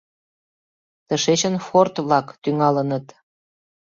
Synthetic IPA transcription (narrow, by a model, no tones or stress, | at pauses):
t̪əʃet͡ɕənfort̪βlɑkt̪yŋɑlənət̪